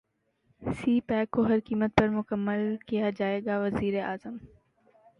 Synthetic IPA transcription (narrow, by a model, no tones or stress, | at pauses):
siːpɛːkːoɦɐɾkiːmət̪̚pɐɾmʊkəmːəlkijad͡ʒaːeːɡaʋɐziːɾeʔaːzəm